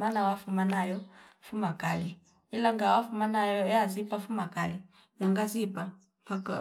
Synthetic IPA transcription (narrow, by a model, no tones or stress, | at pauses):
manawafumanajɔfumakali | ilaŋɡawafumanajɔɛazipafumakali | jaŋɡazipa | paka